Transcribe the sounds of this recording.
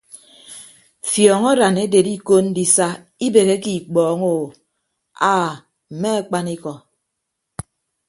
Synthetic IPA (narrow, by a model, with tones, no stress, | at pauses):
fjɔː˨ŋɔ˦ɾa˨ne˦de˨di˦ko˦n̩˦di˨sa˦ | i˦be˨ɣe˦ki˨k͡pɔː˨ŋo˨ | aː˦˨ | m̩˨me˦a˨k͡pa˦ni˦kɔ˨